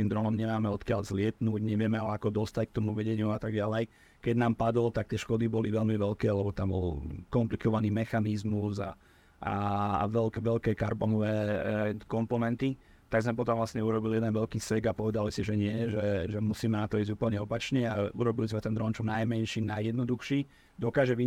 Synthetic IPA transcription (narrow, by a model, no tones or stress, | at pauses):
t̪iːmd̪ɾɔnɔmɲɛmaːmɛɔt̪kɪaʎzlɪɛt̪nuːɟɲɛʋɪɛmɛalɛakɔd̪ɔst̪ack̚t̪ɔmuʋɛɟɛɲɪuat̪aɡɟalɛj | kɛɟnaːmpad̪ɔllt̪ak̚t̪ɪɛʃkɔd̪ibɔliʋɛʎmiʋɛlkɛːlɛbɔt̪ambɔ̰lkɔmplikɔʋaniːmɛxanizmuza̰ | ʔa̰a̰ʋɛlkɛʋɛlkɛːkaɾbɔnɔʋɛːkɔmpɔnɛnt̪i | t̪aɡzmɛpɔt̪ɔmʋlasɲɛuɾɔbiliɛd̪ɛnʋɛlkiːsɛɡapɔʋɛd̪alisiʒɛɲɪɛʒɛʒɛmusiːmɛnat̪ɔiːzɟuːpl̩ɲɛɔpat͡ʃɲɛauɾɔbilizmɛt̪ɛnd̪ɾɔnt͡ʃɔmnajmɛnʃinajjɛd̪nɔd̪uxʃiː | d̪ɔkaːʒɛʋi